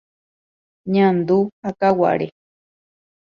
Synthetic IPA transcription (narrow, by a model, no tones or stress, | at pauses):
ɲãnd̪uhakawa̰ʔɾe